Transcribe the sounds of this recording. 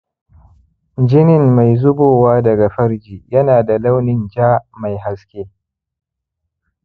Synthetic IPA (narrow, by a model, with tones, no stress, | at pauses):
d͡ʒɪ˦nɪ˨mːa˨jzʊ˦boː˨waː˦dɐ˨ɡa˨ɸɐ˦ɾd͡ʒiː˨jɐ˦naː˨da˨la˦wnɪ˨nd͡ʒaː˦ma˨jɦa˦skʲeː˦